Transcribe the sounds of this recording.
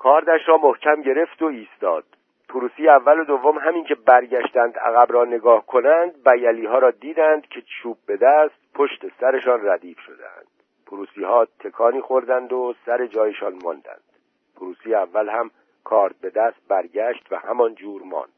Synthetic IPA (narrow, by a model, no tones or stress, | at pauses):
kʰɒːɾd̪æʃɾɒːmohcʰæmɟe̞ɾe̞ft̪oiːst̪ɒːd̪̥ | pʰuɾuːsiːjeævːælo̞d̪ovːo̞mɦæmiŋcʰe̞bæɾɟæʃt̪ænd̪æ̰ɣæbɾɒːne̞ɡɒːhkʰo̞nænd̪̚bæjæliːɦɒːɾɒːd̪iːd̪ænd̪̥cʰe̞t͡ʃʰuːb̚be̞d̪æːst̪̚pʰo̞ʃt̪e̞sæɾe̞ʃɒːnræd̪iːfʃod̪ḛæ̰nd̪̥ | pʰuɾuːsiːhɒːt̪ʰe̞kʰɒːniːxo̞ɾd̪ænd̪osæɾe̞d͡ʒɒːjeʃɒːnmɒ̰nd̪æ̰nd̪̥ | pʰuɾuːsiːjeævːælhæm | kʰɒːɾt̪̚be̞d̪æːst̪̚bæɾɟæʃt̪væ̰hæmɒnd͡ʒuːɾmɒ̰ːnd̪̥